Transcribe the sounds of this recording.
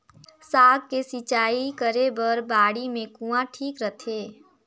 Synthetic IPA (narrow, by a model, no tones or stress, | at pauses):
saːɡkesit͡ʃaːikəɾebəɾbaːɽimẽkũːãʈʰiːkɾət̪ʰeː